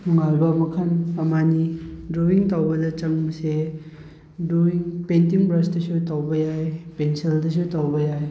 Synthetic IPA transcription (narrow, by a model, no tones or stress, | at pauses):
ŋalbɐmɐkʰɐnɐmanidɾowiŋtawbɐdɐt͡ʃɐŋmɐse | dowiŋpentiŋbɾɐstɐsutawbɐjajpenseldɐs̬utawbɐjaj